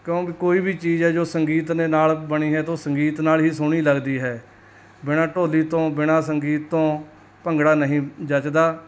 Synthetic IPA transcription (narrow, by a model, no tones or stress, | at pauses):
kjõːkikoːiːbʱiːt͡ʃiːzɦɛːd͡ʒoːsəŋɡiːt̪neːnaːlbəɽiːɦɛːt̪õːsəŋɡiːt̪naːlɦiːsʊɽ̃iːləɡd̪iːɦɛː | bɪɽ̃ãːʈoːliːt̪õːbɪɽ̃ãːs̬əŋɡiːt̪ːõː | pəŋɡɽaːnəɦĩːd͡ʒət͡ʃd̪aː